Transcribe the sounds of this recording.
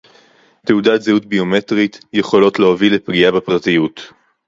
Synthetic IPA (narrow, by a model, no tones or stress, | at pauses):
teudatzehutbiome̞tʁit̪je̞χo̞lo̞tleovilepɡiabepʁatijut